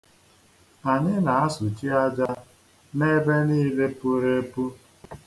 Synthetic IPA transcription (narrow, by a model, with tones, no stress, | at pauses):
a˨ɲɪ˦na˨a˦sʊ˨t͡ʃi˦a˦d͡ʒa˦ | ne˦be˦niː˦le˦pu˦ɾe˦pu˦